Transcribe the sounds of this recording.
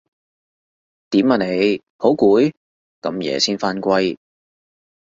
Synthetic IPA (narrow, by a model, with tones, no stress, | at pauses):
t̪iː˨˥mːɐ˨ne˨˧j | ho˨˥wkuː˨˥j | kɐ˨˥mjɛ̰ː˨˧siː˥nfaː˥nkʷɐ˥j